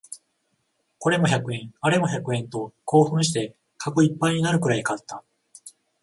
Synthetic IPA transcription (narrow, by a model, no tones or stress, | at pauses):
ko̞ɾe̞mo̞çakɯ̟ẽ̞ŋaɾe̞mo̞çakɯ̟ẽ̞nt̪o̞ko̞ːɸɯ̟̃ɰ̃ɕi̥t̪e̞ | kʰako̞ipːaiɲinaɾɯ̟kɯ̟ɾaikat̪ːa